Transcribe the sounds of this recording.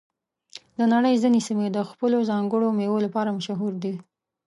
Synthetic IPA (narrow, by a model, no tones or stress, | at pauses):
d̪ənaɽəjzinesimed̪əxpəlozɑŋɡəɽomewolapɑɾamʊʃaɦuɾd̪i